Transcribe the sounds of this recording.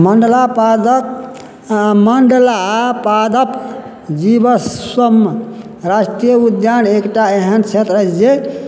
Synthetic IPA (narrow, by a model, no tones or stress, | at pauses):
məɳɖəlapad̪ək | məɳɖlapad̪əp | d͡ʒibəsəm | ɾasʈijəud̪janekʈaeɦənt͡ʃʰet̪ɾət͡ʃd͡ʒe